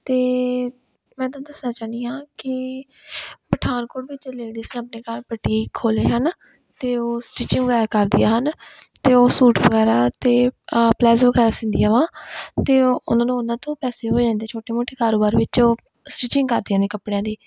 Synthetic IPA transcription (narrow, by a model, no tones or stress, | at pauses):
t̪eː | mɛ̃ːt̪ãːd̪əsnãːt͡ʃaːnd̪iːãːkɪ | pəʈʰaːnkoːɽʋɪt͡ʃleːɖisneəpneːkalpəʈːiːkʰoːleːɦən | t̪eːoːsʈiːt͡ʃɪ̃ŋɡʋəɛːkəɾd̪ɪja̰ːɦənt̪eːoːsuːʈʋəɡɛːɾaːt̪eːplɛːsʋəɡɛːɾaːsɪ̃nd̪ijaːʋãːt̪eːʊ̰nãːnũːʊnãːt̪õːpɛːseːɦoːd͡ʒãːnd̪eːt͡ʃʰoːʈeːmoːʈʰeːkaːɾoːbaːɾʋɪt͡ʃoː | sʈiːt͡ʃɪ̃ŋɡkəɾd̪ɪjaːnẽːkəpɽejãːd̪iː